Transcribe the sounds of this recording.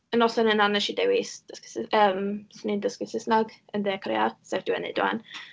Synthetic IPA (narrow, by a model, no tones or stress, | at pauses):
ənɔsənənanɛʃidɛwɪsd̥əskɪsɪəmsnindəskɪsɪsnaɡəndɪakʰrḛa̰dsɛvdɪwɛnḛdwa̰n